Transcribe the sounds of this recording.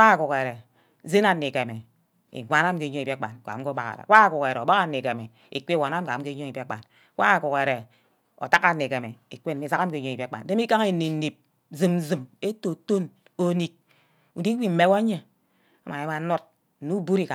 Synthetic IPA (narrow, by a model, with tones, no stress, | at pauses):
a˦˨ku˨ke˨ɾe˨˦ | ze˦na˨nːi˨ke˨me˨ | ḭ˨ɡʷa˦na˦m̩˦ke˨˦ɲo˦i˨bk͡pa̰˨nka̰˨˦ko˦ba˦ka̰˨ɾa̰˨˦wa˦a˨ku˨ke˨ɾe˨o˨ba˦ka˦ne˨ke˨me˨ | ḭ˨k͡pe˦wa˨na˦m̩˦ka˨m̩˦ke˦ɲo˦ŋi˨be˦k͡pa̰˨n˦ | wa˦a˨ku˨ke˨ɾe˨ | o̰˨ta˦ka˦˨nːe˨ke˨me˨i˨k͡pe˦˨n˨i˨za˦ka˦m̩˦ke˨˦ɲo˦i˨bk͡pa̰˨n˦de˦m˦i˦ka˦ŋe˨ni˨n˦ni˨p̚ | zi˨m˦zɨ˨me˦to˨to˦n | o˨˦ni˨k̚ | u˨di˦wi˦m̩˦me˦wa˦ɲe˦ | a˦ma˨e˦a˨˦no˦t̩̚˨ | nu˦bu˦ɾi˦ka˨